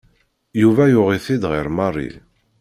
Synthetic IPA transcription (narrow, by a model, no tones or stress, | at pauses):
juvæjʊʁiθid̪ʁiɾmɑrˤːḭ